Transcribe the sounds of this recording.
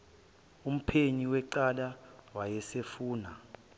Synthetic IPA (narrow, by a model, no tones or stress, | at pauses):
um̩pʰeɲiwɛǀalawajɛsefuːna